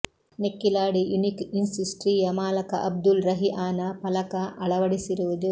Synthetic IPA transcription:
nekːilaːɽijunikinsisʈɾiːjɐmaːlɐkɐ̰ʔɐb̚d̪ulɾɐɦiʔaːnɐpɐlɐkɐʔɐɭɐʋɐɽisiɾuʋud̪u

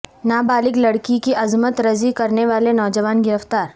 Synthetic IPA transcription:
naːbaːlɪklɐɽkikiʔɐzmət̪ɾɐzikɐɾneʋaːlenɔːd͡ʒəʋaːnɡɪɾəft̪aːɾ

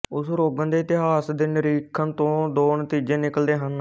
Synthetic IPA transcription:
ʊsɾoːɡənd̪eːt̪ɪɦaːsd̪eːnəɾiːkʰːənt̪õːd̪oːnət̪iːd͡ʒẽːnɪkəld̪eːɦən

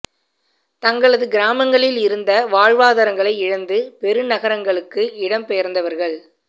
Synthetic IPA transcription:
t̪ɐŋɡɐɭɐðɯɡɪɾaːmɐŋɡɐɭɪlɪɾɯnd̪ɐʋaːɻʋaːðɐɾɐŋɡɐɭɐɪɪɻɐnd̪ɯpɛɾɯnɐɣɐɾɐŋɡɐɭɯkːɯɪɽɐmpɛjɐɾnd̪ɐʋɐɾɣɐɭ

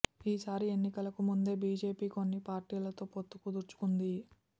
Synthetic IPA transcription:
iːsaːɾie̞nːikɐlɐkumund̪e̞ːbiːd͡ʒe̞ːpiːko̞nːipaːɾʈiːlɐt̪o̞ːpot̪ːu̥kud̪uɾt͡ʃu̥kund̪i

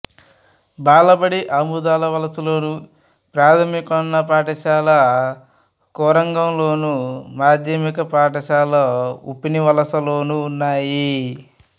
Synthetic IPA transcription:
baːlɐbɐɽiʔɐmud̪aːlɐʋɐlɐsɐloːnu | pɾaːt̪ʰɐmikɐnːɐpaːʈɐʃaːlɐ | kɔːɾɐŋɡɐmlo̞ːnumaːd͡ʒ̪jɐmikɐpaːʈɐʃaːlɐupiniʋɐlɐsɐloːnuːnːaːji

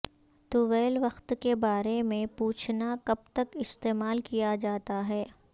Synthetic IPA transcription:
t̪uʋɛːlʋɐxt̪kebaːɾemẽpuːt͡ʃʰnakɐb̚t̪ɐkɪst̪eːmaːlkijad͡ʒaːt̪aɦɛː

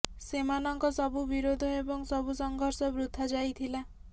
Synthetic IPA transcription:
semanɔŋkɔsɔbubiɾod̪ʱɔebɔŋsɔbusɔŋɡʱɔɾsɔbɾut̪ʰːad͡ʒajt̪ʰila

